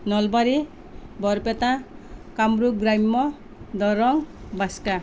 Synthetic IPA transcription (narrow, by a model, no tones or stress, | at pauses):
nɔlbaɾi | bɔɾpet̪ãkamɾuɡɾajmːɔ | d̪ɔɾɔŋbaska